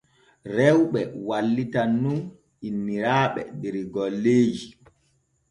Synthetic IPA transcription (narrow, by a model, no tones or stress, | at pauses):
ɾɛwɓɛwalːitanːun | inːiɾaːɓɛ̰dɛɾiɡɔlːeːd͡ʒi